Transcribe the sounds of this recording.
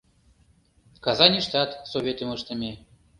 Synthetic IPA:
kɑzɑnʲiʃt̪ɑt̪soβʲet̪ə̆məʃt̪ə̆mʲe

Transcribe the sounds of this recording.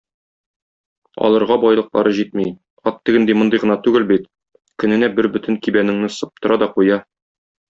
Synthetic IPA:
ɒ̰lˠɤ̆ɾʁɑbɒjlˠɤq̚bɒɾɤʑit̪mij | ɒt̪ːɘ̆ɡɘ̆nd̪imŏnd̪ɤjʁɤ̆nɑt̪ʉɡɘlbit̪ | kɵ̆nɘ̆næbɘɾbɵ̆t̪ɘŋkibænɘ̆ŋnɘsɤ̆p̚t̪ɤ̆ɾɑd̪ɒqujɑ

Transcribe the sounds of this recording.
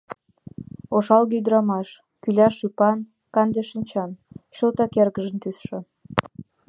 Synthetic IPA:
oʃɑlɡiyd̪əɾɑmɑʃ | kylʲæʃypɑn | kɑnd̪ʲeʃənʲt͡ɕɑnɕə̆lt̪ɑkerɣəʒə̆nt̪ysʃɤ̆

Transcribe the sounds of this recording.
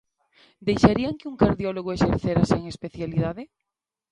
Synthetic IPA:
d̪ejʃaɾiaŋkeuŋkaɾðjoloɣoeʃeɾθeɾaseːŋespeθjaliðaðe

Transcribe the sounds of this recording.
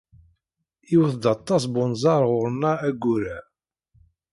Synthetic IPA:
iwθd̪ɑt̪ˤːɑs̬bʊnzˤɑɾˤʁʊɾˤnːæːɡːuɾæ

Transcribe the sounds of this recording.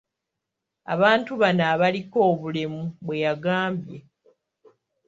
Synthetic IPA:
a̰βaːntuβanaːβaliko̞ːβulemuβwe̞jaɡaːmbje̞

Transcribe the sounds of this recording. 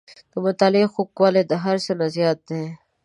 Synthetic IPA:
t̪omʊt̪aːlexukwaːled̪ɦɐɾsenazjaːt̪̚ːẽ

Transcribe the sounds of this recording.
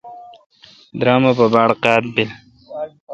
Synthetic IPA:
d̪ɾɑːmapabaɽqɑːt̪̚bil

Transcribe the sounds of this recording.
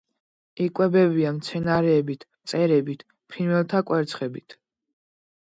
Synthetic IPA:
ikʼwɛbɛbiamt̪sʰɛnaɾɛːbit̪ʰt̪sʼɛɾɛbit̪ʰ | pʰinwɛlˠt̪ʰakʼwɛɾt̪sʰχɛbit̪ʰ

